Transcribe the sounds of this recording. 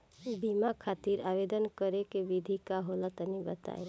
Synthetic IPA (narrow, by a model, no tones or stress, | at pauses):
bimakʰat̪iɾabed̪ənkəɾekebid̪ʱikaɦolət̪ənibət̪a̰e